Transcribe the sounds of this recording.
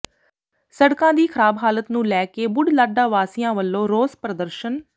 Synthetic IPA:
səɽkãːd̪iːkʰəɾaːbɦaːlət̪nũːlɛːkeːbʊɖlaːɖaːʋaːsɪjãːʋəlːõːɾoːzpɾəd̪əɾʃən

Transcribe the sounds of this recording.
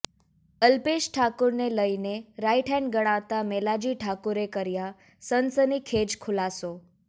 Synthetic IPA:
əlpeʃʈʰakuɾneləineɾajʈʰɛnɡəɽ̃ãt̪amelad͡ʒiʈʰakuɾekəɾja | sənsənikʰed͡ʒkʰʊlaso

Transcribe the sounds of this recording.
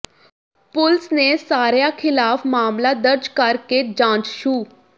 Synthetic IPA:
pʊlsneːsaːɾjaːkʰɪlaːfmaːmlaːd̪əɾd͡ʒkəɾkeːd͡ʒãːt͡ʃʃuː

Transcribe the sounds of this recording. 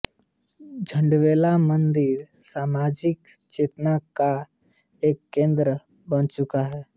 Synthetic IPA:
d͡ʒʱə̃ɳɖʋeːlamə̃nd̪ɪɾ | saːmaːd͡ʒɪk | t͡ʃeːt̪naka | eːkːẽːnd̪ɾə | bənt͡ʃʊkaɦɛː

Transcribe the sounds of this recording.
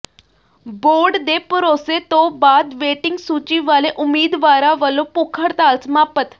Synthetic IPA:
boɖd̪epəɾoset̪obad̪ʋeʈiŋɡsut͡ɕiʋaleʔumiːd̪ʋaɾaʋəlːopukʰəɽt̪alt͡smapət̪

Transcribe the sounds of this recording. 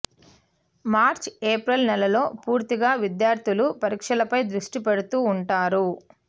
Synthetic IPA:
maːɾt͡ʃeːpɾɐlnɛlɐlo̞ːpuːɾt̪iɡaːʋid̪jaːɾt̪ʰulupɐɾiːkʂɐlɐpɐjd̪ɾuʂʈipeɽut̪uːɳʈaːɾu

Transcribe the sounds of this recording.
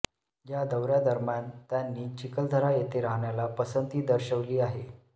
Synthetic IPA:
jad̪əʋɾjad̪əɾmjant̪janːiːt͡ɕikəld̪ʱəɾajet̪eɾaɦɳjalapəsənt̪iːd̪əɾɕəʋliːaɦe

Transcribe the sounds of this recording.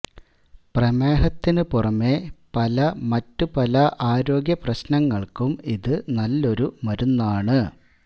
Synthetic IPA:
prɐme̞ːɦɐt̪ːinɨpurɐmːe̞pɐlɐmɐtːupɐlɐʔaːɾo̞ːɡjɐprɐɕnɐŋːɐɭkumiðɨnɐlːo̞ɾumɐɾunːaːɳɨ

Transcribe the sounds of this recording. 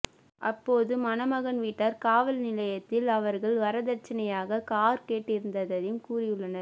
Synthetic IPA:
ʔɐpːoːðɯmɐnɐmɐɣɐnʋiʈːɐɾkaːʋɐlnɪlɐjɐt̪ːɪlɐʋɐɾɣɐɭʋɐɾɐðɐɾt͡ʃːɐnɐjaːɣɐkaːɾkeːʈːɪɾɯnd̪ɐðɐðɪmkuːrɪjɯɭːɐnɐɾ

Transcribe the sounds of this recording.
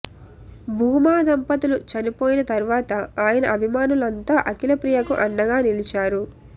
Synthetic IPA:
bʱuːmaːd̪ɐmpɐt̪ulut͡ʃɐnipoːjinɐt̪ɐɾuʋaːt̪ɐaːjɐnɐɐbʱimaːnulɐnt̪aːʔɐkilɐpɾijɐkuʔɐnːɐɡaːnilit͡ʃaːɾu

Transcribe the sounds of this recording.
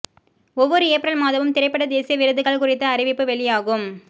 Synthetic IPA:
ɔʋːɔɾɯeːpːɾɐɭmaːðɐʋɯmt̪ɪɾɐɪpːɐɽɐd̪eːsɪjɐʋɪɾɯðɯɣɐɭkʊrɪt̪ːɐːɾɪʋɪpːɯʋɛɭɪjaːɣɯm

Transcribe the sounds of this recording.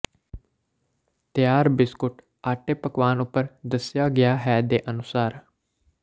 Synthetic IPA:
t̪jaːɾbɪskʊʈ | aːʈeːpəkʋaːnʊpːəɾd̪əsjaːɡɪjaːɦɛːd̪eːʔənʊsaːɾ

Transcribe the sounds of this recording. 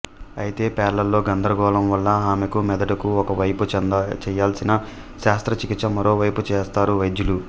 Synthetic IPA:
ɐjit̪e̞ːpɛːɾɐlɐlːo̞ːɡɐnd̪ɐɾɐɡɔːlɐmʋɐlːɐaːmekumɛd̪ɐʈɐkuɔkɐʋɐjpund̪t͡ʃɛjaːlsinɐ | ʃaːst̪ɾɐt͡ʃikit̪sɐmɐɾo̞ːʋɐjput͡ʃɛːst̪aːɾuʋɐjd̪julu

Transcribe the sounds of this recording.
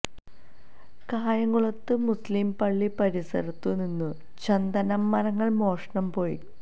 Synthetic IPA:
kaːjɐŋːuɭɐt̪ːɨmuslimpɐɭːipɐɾisɐ̰ɾɐt̪ːuninːu | t͡ɕɐnd̪ɐnɐmːɐɾɐŋːɐɭmo̞ːʂɐɳɐmpo̞ːji

